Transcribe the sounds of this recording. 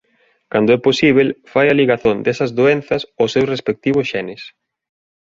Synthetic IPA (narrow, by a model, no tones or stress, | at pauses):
kand̪oɛposiβ̞elfajɐliɣaθond̪ɛsɐzðoenθɐsosːewsrespek̚t̪iβ̞ʊsʃɛnɪs